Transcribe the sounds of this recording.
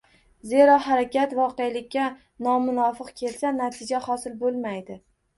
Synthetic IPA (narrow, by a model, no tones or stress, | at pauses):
ze̞ɾɒɦaɾakʲʰat̪vɒqejlɪkʲːa | nɒmʊnɒfɨqkʲʰe̞lsanat̪ʰɪd͡ʒahɒsɪlbolˠmajd̪ɪ